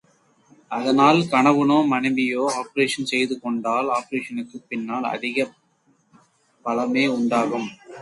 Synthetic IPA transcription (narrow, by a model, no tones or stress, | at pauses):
ʔɐðɐnaːlkɐɳɐʋɯnoːmɐnɐɪbɪjoːaːpɐɾeːʂɐnsɛjðɯkɔɳɖaːlaːpɐɾeːʂɐnɯkːɯpɪnːaːlɐ̰ðɪɣɐ | pːɐlɐmeːʊɳɖaːɣɯm